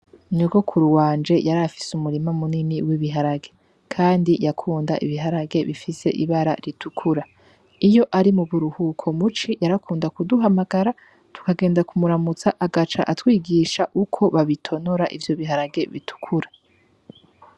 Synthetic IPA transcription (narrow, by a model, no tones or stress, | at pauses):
nuɡo̞kʰuɾuwaːnd͡ʒe̞jaɾafi̥sumuɾimamunimiwiβiɦaɾaɡe̞ | kʰaːndijakʰuːndaʔḭβiɦaɾaɡe̞βifise̞̰ʔiβaɾa̰ɾitʰukʰuɾa | ijo̞ʔaɾimuβuɾuhukʰo̞mut͡ʃijaɾakʰuːndakuduɦamaɡaɾa | tʰu̥kaɡe̞ːndakumuɾamut͡saʔaɡat͡ʃa̰ʔatwiːɡiʃaʔukʰo̞βaβitʰo̞noɾaʔḭvjo̞βiɦaɾaɡe̞βitʰu̥kʰuɾḁ